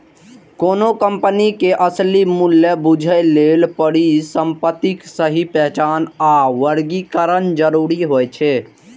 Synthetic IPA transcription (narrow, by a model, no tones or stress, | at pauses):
koːnokəmpənikeʔəslimuljəbud͡ʒʱəlelpəɽisəmpət̪iksəɦipɛɦt͡ʃaːnaʋəɾɡikəɾənd͡ʒəɾuɾiɦojt͡ʃʰɛ